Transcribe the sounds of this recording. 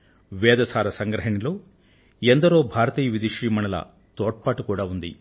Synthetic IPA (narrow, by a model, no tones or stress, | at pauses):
ʋɛːd̪ɐsaːɾɐsɐŋɡɾɐɦɐnilo̞ː | end̪ɐɾo̞ːbʱaːɾɐt̪iːjɐʋid̪iʂɾiːmɐɳɐlɐ̰ | t̪oːʈ̚paːʈukuːɽaːund̪i